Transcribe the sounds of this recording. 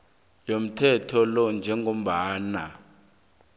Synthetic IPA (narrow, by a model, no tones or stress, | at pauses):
jom̩tʰɛtʰɔlɔnd͡ʒʱɛŋɡʱom̩ɓaːna